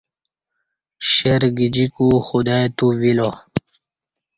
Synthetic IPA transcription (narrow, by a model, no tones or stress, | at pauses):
ɕeɾɡid͡ʑikuxud̪ajt̪uvilo